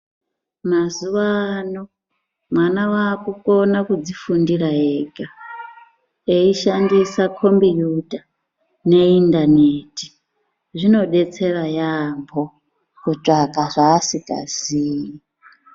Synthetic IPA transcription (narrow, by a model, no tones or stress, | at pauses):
mazuwaːno | mwanawaːkukʼonakud͡zifundiɾaɦeɡa | eiʃandisakʰo̞mbijudʱa | neindaneti̥ | ʐino̞ɗet͡serajambʱo | kut͡ʂʼakʼaʐaːsikʼa̰ziːji